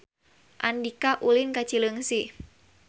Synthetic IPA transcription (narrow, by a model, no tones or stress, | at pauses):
ʔandikaʔulinkat͡ʃiləŋsi